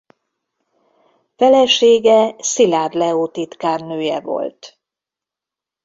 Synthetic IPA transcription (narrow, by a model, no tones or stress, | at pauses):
fɛlɛʃeːɡɛsilaːd̪lɛoːt̪it̪kaːrnøːjɛvo̞̰lt̪